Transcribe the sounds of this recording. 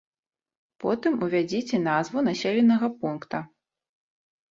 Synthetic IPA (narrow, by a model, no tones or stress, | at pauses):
pɔt̪ɨmuvʲad͡zʲit͡sʲɛnazvunasʲelʲɛnːɐɣɐpunkt̪ɐ